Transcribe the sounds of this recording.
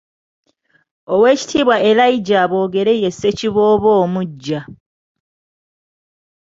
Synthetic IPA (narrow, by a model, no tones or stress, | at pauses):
owe̞ːci̥tʰiːβwaʔelaiɟaβo̞ːɡe̞ɾe̞je̞se̞ciβo̞ːβo̞ːmuɟːa